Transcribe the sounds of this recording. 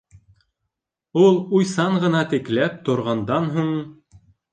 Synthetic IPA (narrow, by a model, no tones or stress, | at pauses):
ulˠujsɑɴɢɤ̆nɑt̪ɘ̆klæp̚t̪ŏɾʁɑnd̪ɑnɦuɴ